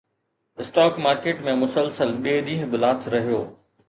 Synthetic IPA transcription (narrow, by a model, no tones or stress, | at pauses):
ɪsʈaːkmaːɾkeːʈmẽmʊsəlsəlɓeːɗ̪ĩːɦbɪlaːt̪ʰɾɐɦijoː